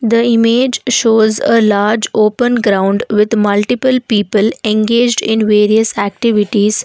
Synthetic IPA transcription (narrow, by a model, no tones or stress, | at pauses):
d̪əɪmeːd͡ʒʃoːzəlaːɾd͡ʒoːpə̃nɡɾãʊ̃ɳɖʋɪd̪mʌlʈɪpəlpiːpəlẽnɡeːd͡ʒɖɪ̃nʋeːɾiəsæk̚ʈɪʋɪʈiːz̥